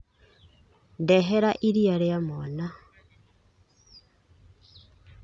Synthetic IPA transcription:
ndɛɦeɾaʔiɾiaɾeamona

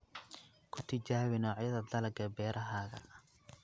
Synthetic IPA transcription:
kʰʊt̪ʰɪt͡ʃaːwɪnɔːʕjɐðɐd̪ɐlɐɡɐbɛːɾʔɐɦaːɣɐ̰

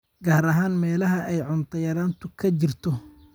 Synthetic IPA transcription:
ɡaːɾɐɦaːnmɛːlɐɦɐʔɛjʕʊnt̪ʰɐjɐɾaːnt̪ʰʊkʰɐt͡ʃɪrt̪ʰɔ

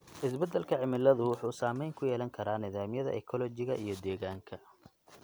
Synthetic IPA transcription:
ʔɪsbɛd̪ɛlkʰɐʕɪmɪlːɐðʊwʊħuːsaːmɛjŋkʰʊjɛːlɐŋkʰɐɾaːnɪðaːmjɐðɐ̰ʔɛ̰kʰɔlɔt͡ʃɪɣɐʔijɞd̪ɛːɣaːŋkʰɐ

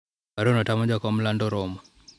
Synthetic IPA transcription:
aɾonɔtamɔd͡ʒɔkɔmlandɔɾɔmɔ

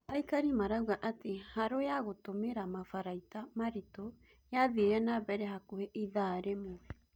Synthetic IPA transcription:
aikaɾimaɾawɣaʔatehaɾojaɣotomeɾamafaɾaitamaɾito | jaðieɾɛnabɛɾɛɦakoheʔiðaːɾemoɛ

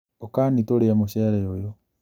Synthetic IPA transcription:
okanitoliamuʃeɾɛjojo

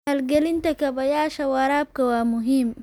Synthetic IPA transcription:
hɐlɡɛlɪnt̪ʰɐkʰɐβɐjaːʃɐwɐɾaːb̚kʰɐwɑːmʊɦiːm

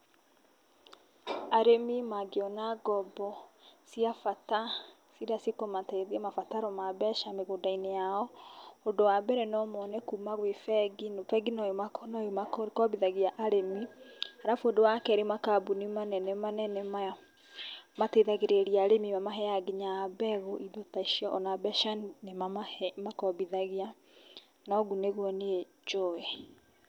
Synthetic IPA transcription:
aɾemimaɡeɔnaɡɔbɔsiafata | siɾasikomateðeɛmafataɾɔmaβɛʃameɣodainejaɔondowabɛɾɛnɔmɔnɛkuːmaɣwefɛɡinfɛɡinɔjomakɔnɔjomakɔbiðaɣiaʔaɾemihaɾafondowakɛɾemakabunimanɛnemanɛnema | mateðaɣeɾeɾiaɾemimamaɦɛjaɡiɲabɛɣoʔiðotaiʃiɔʔɔnabɛʃanemamahɛmakɔβiðaɣia | nɔɡuneɣwɔnee | t͡ʃoɛ

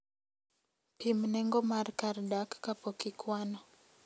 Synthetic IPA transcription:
pimnɛŋɡɔmaɾkaɾdakːapɔkikwanɔ

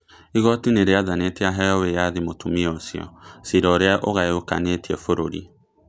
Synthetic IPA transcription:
iɣɔtineɾeaðaneteaɦɛɔwejaðimotumiɔsjɔ̰siɾɔɾeaʔoɣaoka̰netiɛfoɾoɾḭ

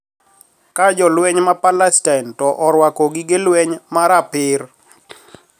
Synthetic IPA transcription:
kad͡ʒɔlwɛɲmapalɛstantɔʔɔɾwakoɡɪɡelwɛɲmaɾapɪr

